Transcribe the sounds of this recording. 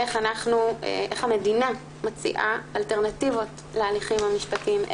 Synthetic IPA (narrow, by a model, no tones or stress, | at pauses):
eχanaχnuḛʔeχhame̞dina | mat͡sḭʔaalteʁnativo̞t | lealiχimhamiʃpatim